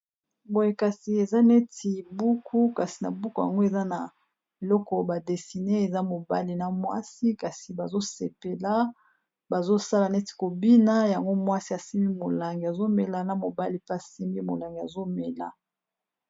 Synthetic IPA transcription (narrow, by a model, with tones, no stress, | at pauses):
bo˨je˦ka˨si˨e˨za˦ne˦ti˨bu˦kʰu˦ka˨si̥˨na̰˨bu˦ku˨ja̰˨ŋɡo˦e˨za˦na˨ | e˨lɔ˦kɔ˨ba˨de˨si˨ne˦e˨za˦mo˨ba˦li˨na˨mwa̰˦si˦ka˨si˨ba˨zo˦sḛ˨pe˨la˦ | ba˨zo˦sa˦la˨nɛ˦ti̥˨ko˨bi˦na˦ja˨ŋɡo˦mwa˦si˦a˨si˦mi˦mo˨la˨ŋɡi˨a˨zo˦me˨la˨na˨mo˨ba˦li˨pe˦a˨si˦mbi˦mo̰˨la˨ŋɡi˨a̰˨zo˦me˨la̰˨